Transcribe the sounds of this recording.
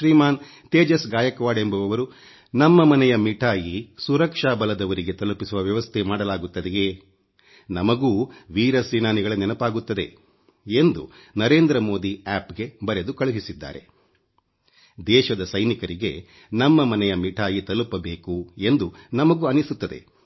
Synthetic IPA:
ʃɾiːmaːn | t̪eːd͡ʒɐsɡaːjɐkɐʋaːɖe̞mbɐʋɐʋɐɾu | nɐmːɐmɐnɛjɐmiʈʰaːjisuɾɐkʂaːbɐlɐd̪ɐʋɐɾiɡe̞t̪ɐlupisuʋɐʋjɐʋɐst̪ʰemaːɽɐlaːɡut̪ːɐd̪eɡe | nɐmɐɡuːʋiːɾɐsʋinaːniɡɐɭɐnɛnɐpaːɡut̪ːɐd̪e | end̪ṵnɐɾe̞ːnd̪ɾɐmo̞ːd̪iaːpɡe̞bɐɾed̪ukɐɭuɦisid̪ːa̰ːɾe | d̪ɛːʃɐd̪ɐsɐjnikɐɾiɡe̞̰ | nɐmːɐmɐnɛjɐmiʈʰaːjit̪ɐlupɐbe̞ːkue̞nd̪unɐmɐɡuɐnisut̪ːɐd̪e̞̰

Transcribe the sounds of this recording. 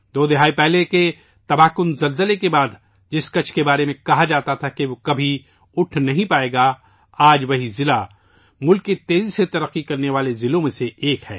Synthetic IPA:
d̪oːd̪ɪɦaːipɛɦleke | t̪ɐbaːkʊnzɐlzəlekebaːd̪ | d͡ʒɪskɐt͡ʃʰkebaːɾemẽkɐɦad͡ʒaːt̪at̪ʰakeʋokɐbʱi | ʊʈʰnɐɦĩpaːeːɡa | aːd͡ʒʋɐɦizɪla | mʊlkːit̪eːziset̪ɐɾəqːikɐɾneʋaːlezɪlõmẽseʔeːkhɛ̰ː

